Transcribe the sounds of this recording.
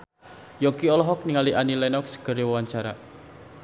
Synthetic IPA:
jɔŋkiɔlɔɦɔk̚niŋaliʔanilɛnɔksə̥ɡ̥əɾjwwaɲt͡ʃaɾa̰

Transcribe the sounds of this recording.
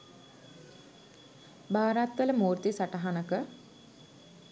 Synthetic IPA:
baːɾat̪ʋələmuːɾt̪isaʈəɦanəkə

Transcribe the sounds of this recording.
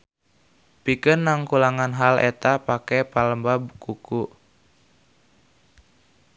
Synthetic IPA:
pikənːaŋkulaŋanɦalɛ̰t̪apakɛpaləmbabkuku

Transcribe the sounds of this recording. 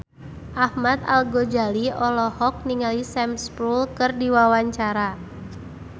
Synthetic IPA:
ʔahmat̪a̰lɡod͡ʒaliɔlɔhɔk̚niŋalisɛmspɾulkɨrdiwawaɲt͡ʃaɾa

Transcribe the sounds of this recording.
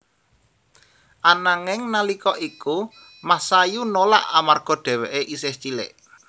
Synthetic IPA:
ʔanaŋɪŋnalikɔʔiku | masajunola̰ʔamarɡ̥ɔ̤ɖ̪̥ɛ̤weʔeʔiseht͡ʃilɪ̰ʔ

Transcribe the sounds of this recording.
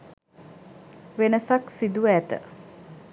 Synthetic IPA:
ʋenəsaksid̪uæt̪ə̰

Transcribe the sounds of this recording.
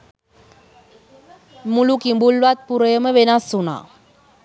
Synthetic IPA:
mulukimbulʋat̪̚puɾɐjɐməʋenasːuna̰ː

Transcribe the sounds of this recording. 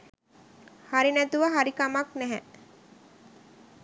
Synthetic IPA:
haɾinæt̪uʋaɦaɾikamaknæɦɛ̰

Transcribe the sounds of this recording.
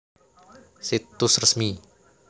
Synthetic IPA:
sit̪ʊsrəsmi

